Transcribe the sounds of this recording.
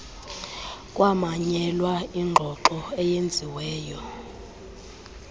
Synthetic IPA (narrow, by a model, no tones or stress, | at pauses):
kʼwamaɲɛlwaiŋ͡ǃʱɔǃɔɛjend͡zʱiwɛːjɔ